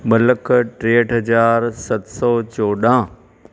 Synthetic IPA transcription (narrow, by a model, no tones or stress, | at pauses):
mɐləkʈɾeːəʈɦɐzaːɾsɐt̪sɔːt͡ɕoːɗãː